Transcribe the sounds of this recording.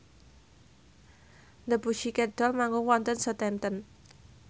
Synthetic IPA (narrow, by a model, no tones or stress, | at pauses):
ndəbuʃikɛd̪̥ɔ̤lmaŋɡʊŋwɔnt̪ənsɔt̪ɛnt̪ən